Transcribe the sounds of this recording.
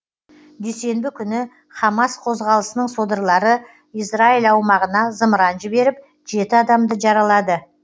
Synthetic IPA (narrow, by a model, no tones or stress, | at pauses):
d̪ejse̞mbɪkʲʰʏnɪ | χɑmɑsqʰo̞zʁɑlˠəsənəɴso̞d̪əɾlˠɑɾə | ijsrailɑwmɑʁənɑzəməɾɑnʒɪbe̞ɾɪp̚ | ʒ̥e̞t̪ɪɑd̪ɑmd̪əʒɑɾɑlˠɑd̪ə